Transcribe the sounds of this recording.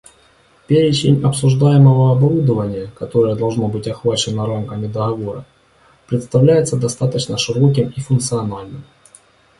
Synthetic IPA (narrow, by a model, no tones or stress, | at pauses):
pʲeɾʲɪt͡ɕɪnʲɐpsʊʐd̪ajɪməvəɐbɐɾud̪əvənʲɪjəkɐt̪o̞ɾəjəd̪ɐlˠʐno̞bɨtʲɐxvat͡ɕɪnəɾamkəmʲɪd̪əɣɐvo̞ɾə̰ | pɾʲɪt̪st̪ɐvlʲæjɪt̪səd̪ɐst̪at̪ət͡ɕnəʂɨɾo̞k̬ʲɪmifʊnkt̪sɨɐnalʲnɨm